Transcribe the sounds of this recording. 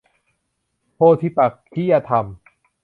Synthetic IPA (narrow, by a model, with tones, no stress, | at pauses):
pʰoː˧t̪ʰi˧pa˨˩k̚kʰːi˦˥ja˧t̪ʰa˧m